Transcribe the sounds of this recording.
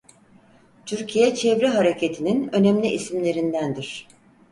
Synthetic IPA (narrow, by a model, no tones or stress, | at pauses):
t̪ʰyɾcʰijɛt͡ʃʰevɾiɦaɾe̞cʰet̪ʰininø̞nemlʲiʔisimlʲe̞ɾind̪ænd̪iɾ̝̥